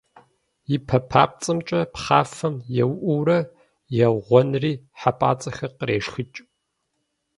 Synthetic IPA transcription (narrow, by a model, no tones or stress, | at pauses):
jɪpʰɐpʰaːp̚t͡sʼɨmt͡ʃʼɐpχaːfɐmjɛwʔʷuːɾɐ | jɛʁʷɔnriːħapʼaːt͡sʼɐxɐqəɾeːʃxɨt͡ʃʼ